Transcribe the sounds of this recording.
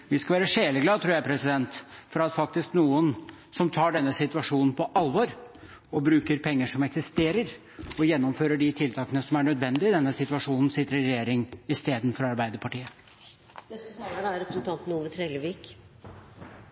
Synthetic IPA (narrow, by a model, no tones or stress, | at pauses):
ʋɪskɑʋæːɾəʂeːləɡlɑːt̪ʰɾuːɾjæɪpʰɾɛsɪd̪ɛnt̪fɔɾɑt̪fɑk̚t̪ɪsknuːən | sɔmt̪ʰɑːɖɛnːəsɪt̪ʋɑʂuːnn̩pʰɔʔɑlʋɔɾ | ɔbɾʉːkəɾpʰɛŋːəʂɔmɛksɪst̪eːɾəɾ | ɔjɛnːɔmføːɾəɖɪt̪ʰɪlt̪ʰɑːkənəsɔmæɳœd̪ʋɛnd̪ɪɪd̪ɛnːəsɪt̪ʉʋɑʂuːnn̩sɪt̪ːəɾəɾɪɾɛjeːɾɪŋɪst̪eːd̪n̩fɔɾɑɾbæɪd̪əpʰɑʈiːə | nɛst̪ɑːlənæɾɛpɾəsn̩t̪ɑnt̪nuːʋət̪ʰɾɛləʋiːk